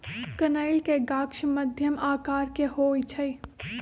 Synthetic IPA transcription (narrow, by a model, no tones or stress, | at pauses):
kɐnaːɪlkeɡaːkʃmɐd̪ʱjəmʔaːkaːɾkehoːit͡ʃʰɐi